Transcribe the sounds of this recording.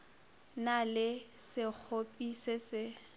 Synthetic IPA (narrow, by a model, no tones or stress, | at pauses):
nalɪsɪk͡xʰopʼisɪsɪ